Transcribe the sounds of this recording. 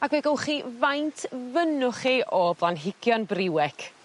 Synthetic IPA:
aɡvɛɡəwχiːvajntʰvənʊχiʔɔblˠanɦɪɡ̥jɔnbrɪwɛkʰ

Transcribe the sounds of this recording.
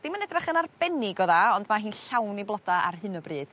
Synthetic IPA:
d̥imanɛdraχənarb̥ɛnɪɡɔðaɔndmaɦiːnɬawniblˠɔdaa̰rɦɨnɔbrɨːð̥

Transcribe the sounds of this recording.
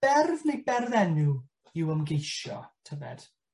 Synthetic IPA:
b̥ɛrvnejbɛrðɛnu | ɪwəmɡejʃjɔ̰tʰəvɛ̰d̥

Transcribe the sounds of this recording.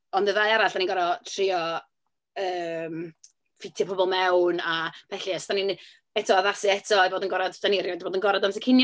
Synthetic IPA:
ɔndəðajaɾaɬaniɡɔɾɔtʰriɔ | əːm | fɪtʰjpʰɔbɔlˠmɛwnapɛɬiastanin | ɛtʰɔaðasɨɛtʰɔɛboːdənɡɔɾadsdaniɾjɔdboːdənɡɔɾadams̬əkʰɪnj

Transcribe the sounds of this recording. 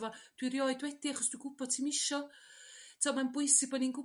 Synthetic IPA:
vɔd̥wirjɔɨdwɛd̥iaχɔsd̥wiɡʊbɔd̥̚tʰimɪʃɔ | tʰamanbʊɨsibɔninɡʊ

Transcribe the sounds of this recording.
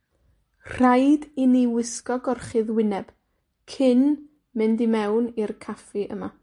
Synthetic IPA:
r̥ajdiniwɪskɔɡɔrχɨðwɪnɛb̥ | kʰɪn | mɪndimɛwnirkʰafiʔəma

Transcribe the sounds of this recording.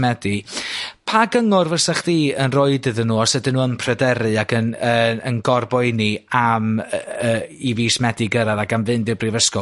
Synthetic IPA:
mɛdɨpʰaɡəŋʊrvəsaχðiːənroɨdɨðənːuːɔsɛdɨnuːəmpʰrɛdɛɾɨaɡənəənɡɔrbɔniaməːiviːsmɛdɨɡəɾaðaɡamvɨndɪwbrivəskɔ

